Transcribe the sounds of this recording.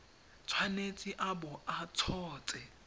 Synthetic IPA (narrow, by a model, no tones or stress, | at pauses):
t͡sʰwanet͡sʼiʔabɔat͡sʰɔːt͡sʼɛ